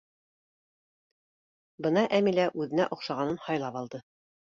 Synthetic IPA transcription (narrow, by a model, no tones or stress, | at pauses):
bɤnɑʔæmilæʔʉðɘ̆næ̰ʔŏqʃɑʁɑnɤnhɑjlˠɑpɑlˠd̪ɤ